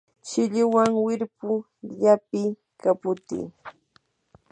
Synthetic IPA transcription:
t͡ʃɪʎʊwaŋwɪɾpʊ | ʎapɪ | kapʊt̪ḭː

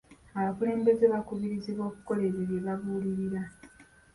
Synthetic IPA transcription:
aβakule̞ːmbe̞zeβakuβiɾiziβo̞ːkuko̞le̞βeβje̞βavuːliɾiɾa

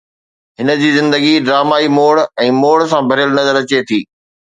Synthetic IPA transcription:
ɦɪnəd͡ʑiːzɪ̃nd̪əɡiɖɾaːmaːimoːɽɛ̃ːmoːɽs̬ãbʱɐɾjəlnɐzəɾɐt͡ɕet̪ʰiː

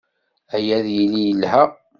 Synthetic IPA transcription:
æjæðjəlijəlːhæ

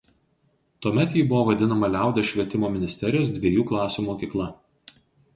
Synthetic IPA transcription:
t̪uɔmʲɛt̪jiːbʊʋoːʋɐd̪ʲɪnɐmɐlʲæˑʊd̪ʲeʃʲʋʲiɛt̪ʲɪmoːmʲɪnʲɪsʲt̪ʲɛɾʲɪjoːsd̪ʲʋʲiɛjuːklˠɑːsʲuːmoːkʲiːklˠɐ

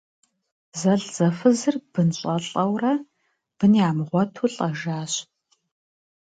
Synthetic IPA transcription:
zɐɮz̥ɐfɨzɨrb̥ɨnɕʼɐɬʼɐwrɐ | b̥ɨniaːmʁʷɔtʰuɬʼɐʒaːɕ

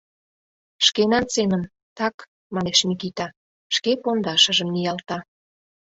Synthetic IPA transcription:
ʃkenɑnsemən | t̪ɑk | mɑneʃmikit̪ɑ | ʃkepond̪ɑʃə̆ʒəmnijɑlt̪ɑ

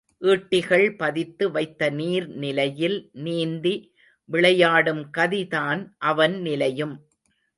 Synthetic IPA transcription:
ʔiːʈːɪɣɐɭpɐðɪt̪ːɯʋɐɪt̪ːɐniːɾnɪlɐjɪlniːnd̪i | ʋɪɭɐjaːɽɯmkɐðiðaːnʔɐʋɐnnɪlɐjɯm

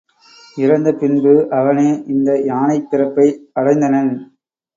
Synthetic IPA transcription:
ɪɾɐnd̪ɐpɪnbɯʔɐʋɐneːʔɪnd̪ɐjaːnɐɪpːɪɾɐpːɐɪɐɽɐɪnd̪ɐnɐn

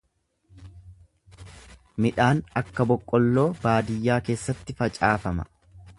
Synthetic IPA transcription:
mɪᶑaːnɐkːɐbɔkʼːɔlːo̞ːbaːd̪ɪjːaːke̞ːsːɐt̪ːɪfɐt͡ʃʼaːfɐmɐ̰

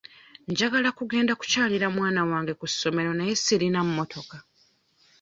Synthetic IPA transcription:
ɲɟaɡalakuɡe̞ːndaku̥caːliɾamwaːnawaːŋɡe̞kusːo̞me̞ɾo̞najesiɾinamumo̞tʰo̞ka

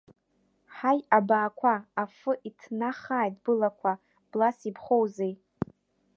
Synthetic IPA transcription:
ħajabaːkʷʰaːfɨʔitʰnaχaːjdbɨlakʷʰa | b̥lasipʰχowzej

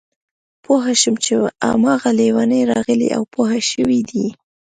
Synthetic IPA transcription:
poɦaʃəmt͡ʃea̰mɑɣalewanəjɾɑɣəlḭʔa̰wpoɦaʃəwid̪i

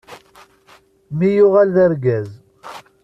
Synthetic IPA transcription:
mijʊʁalðəɾɡæz

